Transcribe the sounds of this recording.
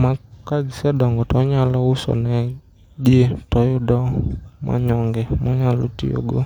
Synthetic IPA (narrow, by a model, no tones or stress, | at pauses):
makad͡ʒisɛɗɔŋɡɔtɔɲalɔusɔ̰nɛ | d͡ʒitɔjoɗɔmʔa̰ɲɔŋɡɛmɔɲalṵtḭo̰ɡo̰